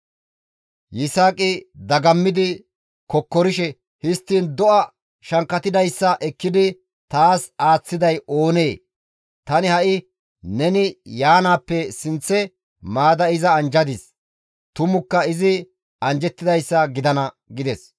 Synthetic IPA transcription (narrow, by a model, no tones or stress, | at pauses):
jɪsaːkʼɪd̪ɐɡɐmːɪd̪ɪ | kɔkːɔɾɪʃɛ | hɪst̪ːiːnd̪ɔʔɐ | ʃɐŋkːɐt̪ɪd̪ɐjsːɐʔɛkːɪd̪ɪ | t̪aːsaːt͡sːɪd̪ɐjo̞ːneː | t̪ɐnɪhɐʔɪ | nɛnɪjaːnaːpːɛsɪnt͡sːɛ | maːd̪ɐɪzɐːnd͡ʒɐd̪ɪs | t̪ʊmʊkːɐɪzɪ | ɐnd͡ʒɛt̪ːɪd̪ɐjsːɐɡɪd̪ɐnɐ | ɡɪd̪ɛs